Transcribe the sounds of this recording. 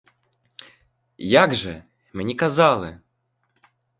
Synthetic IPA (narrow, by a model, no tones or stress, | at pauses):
jaɡʐɛ | mnʲikazalˠɪ